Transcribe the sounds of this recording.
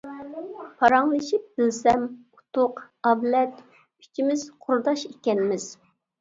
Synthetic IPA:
pʰɑɾɑŋlˠɨʃip̚bɪlsɛmu̥t̪ʰʊq | ɑvlɛt̪ | y̥t͡ʃʰimɪz̥qʰʊɾd̪ɑʃekʲɛnmɪz̥

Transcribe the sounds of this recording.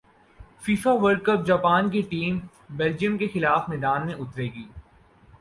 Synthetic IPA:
fiːfaʋəɾɖ̚kəp̚d͡ʒaːpaːnkiʈiːm | beːld͡ʒijəmkexɪlaːfmɛːd̪aːnmẽʔʊt̪ɾeːɡiː

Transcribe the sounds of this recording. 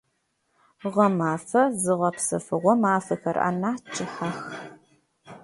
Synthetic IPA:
ʁɐmaːfɐzɨʁɐpsɐ̰fɨʁʷɔmaːfɐxɐra̰naːt͡ʃʼɪħax

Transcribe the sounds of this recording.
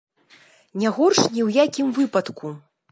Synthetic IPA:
nʲaɣɔrʂnʲiwjakʲimvɨpɐt̪ku

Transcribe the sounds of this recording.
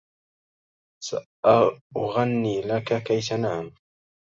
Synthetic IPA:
sa̰ʔaʊɣanːiːlakakajtanaʕam

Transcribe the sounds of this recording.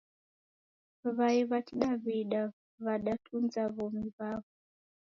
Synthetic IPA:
βaiβatiɗaβiɗa | βaɗatʰund͡zaβomiβaːβo

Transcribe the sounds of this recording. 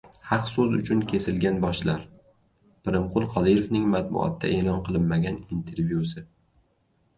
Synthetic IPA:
hɑqsɵzʊ̰t͡ʃʰʊnkʲʰe̞sɪlɡʲanbɒʃlaɾ | pɪɾɪmqʰʊlˠqʰɒd̪ijovnɪŋmat̪̚bʊ̰ʔɒ̰t̪ʰːa̰ʔe̞lˠɒnqʰɨlˠɪnmaɡʲanint̪ʰe̞ɾvjusɪ

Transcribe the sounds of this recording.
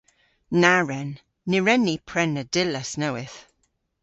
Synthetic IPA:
naɹɛnː | ɪɹɛnːipʰɹɛnːədɪləsnowɪθ

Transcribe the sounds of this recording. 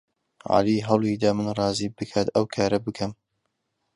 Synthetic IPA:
ʕa̰liːɦɐwlˠid̪ɐmɨnrˤɑːziːbɨkʰaːt̪ɐwkʰaːɾɐbɨkʰɐm

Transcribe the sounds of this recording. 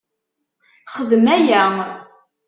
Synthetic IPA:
χəðəmæjæ

